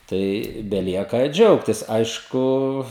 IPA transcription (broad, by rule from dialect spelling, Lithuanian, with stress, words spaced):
tɐɪ bʲɛˈlʲiɛkɐ ˈd͡ʒʲɛʊktʲɪs ˈɐɪʃkʊ